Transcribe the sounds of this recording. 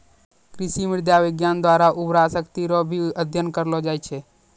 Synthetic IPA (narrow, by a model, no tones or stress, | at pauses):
kɾɪsimɪɾd̪jaʋɪɡjand̪waɾaʔubɾasəkt̪iɾobʱiəd̪ʱjənkəɾlod͡ʒaːjt͡ʃʰe